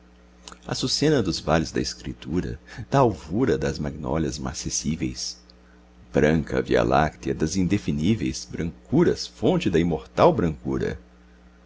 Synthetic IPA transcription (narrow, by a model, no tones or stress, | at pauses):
ɐ̰susẽnɐd̪ʊzvalʊzd̪ɐeskɾḭt̪uɾɐ̰d̪̥ɐawvuɾɐd̪ɐzmaɡnɔ̰lɐzma̰sesivejs | b̥ɾɐ̃ŋkɐ̰via̰lʔa̰kt̪iɐd̪ɐzĩnd̪efinivḛjsbɾɐ̃ŋkuɾɐ̰sfõnt͡ʃɪd̪ɐĩmoɾt̪awbɾɐ̃ŋkuɾɐ̰